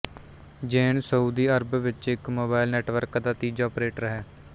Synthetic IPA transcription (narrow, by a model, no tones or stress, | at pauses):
d͡ʒeːnsəuːd̪iːəɾbʋɪt͡ʃɪkmoːbaːɪlnɛːʈʋəɾkd̪aːt̪iːd͡ʒɔːpɾeːʈɾəɦɛː